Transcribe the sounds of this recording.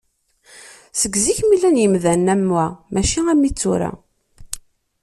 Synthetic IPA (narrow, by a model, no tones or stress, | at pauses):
səɡziçmilænjəmðænːæmːwæmæʃiæmːit͡sːuɾa̰